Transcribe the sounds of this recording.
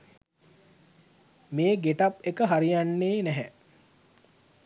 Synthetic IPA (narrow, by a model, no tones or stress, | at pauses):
meːɡeʈapekəɦaɾijanːeːnɛɦɛ